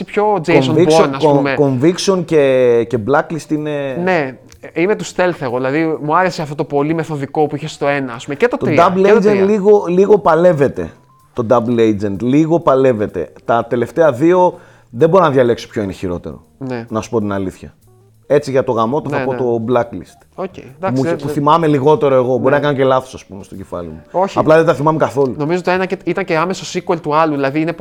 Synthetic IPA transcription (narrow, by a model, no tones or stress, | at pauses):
pçod͡ʒesnviksonɐsomekoɱvikseo̞nce̞ce̞blɐklist̪ine̞ne | imet̪ust̪elθeɣoðilɐðimuɐɾeseɐft̪ot̪opo̞limeθo̞ðiko̞puiçest̪o̞enɐːspumecet̪ot̪d̪ɐblejd͡zenliɣo̞liɣo̞pɐle̞ve̞t̪e̞̰ | t̪o̞d̪ɐblejd͡zent̪liɣo̞pɐle̞ve̞t̪e̞̰t̪ɐt̪e̞le̞ft̪e̞ɐðio̞ | ðebo̞ɾinɐðʝɐle̞kso̥pço̞ineçiɾo̞t̪e̞̰ɾo̞̰nenɐsu̥po̞t̪inɐliθçɐ̰ | e̞t͡siʝɐt̪o̞ɣɐmo̞t̪oθɐpo̞t̪o̞blɐklist̪oced̪ɐmupuθimɐme̞liɣo̞t̪e̞ɾo̞e̞ɣo̞bo̞ɾinɐkɐnoce̞lɐθosɐspumest̪o̞ɟe̞fɐ̰lḭmuoçɐplɐðeðet̪ɐθimɐmekɐθo̞luno̞mizoot̪enɐeit̪ɐnceɐmesosikwelt̪uɐluðilɐðiine